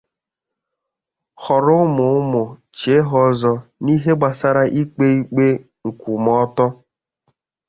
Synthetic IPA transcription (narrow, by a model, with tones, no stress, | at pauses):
hɔ˨ɾʊ˦mʊ˨ʊ˦mʊ˨t͡ʃe˨˦ɦɔ˦zɔ˦ni˦ɦe˦ɡ͡ba˨sa˦ɾa˦ʔi˦k͡pe˦i˦k͡pe˦ | ŋ̩˨ku˨mɔ˦tɔ˦